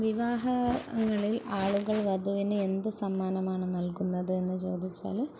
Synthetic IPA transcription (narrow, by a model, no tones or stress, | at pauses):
ʋiʋaːɦɐŋːɐɭilaːɭuɣɐɭʋɐd̪ʱuʋinɨe̞nd̪ɨsɐmːaːnɐmaːɳɨnɐlkunːɐðɨe̞nːɨt͡ɕo̞ːd̪it͡ɕːa̰ːl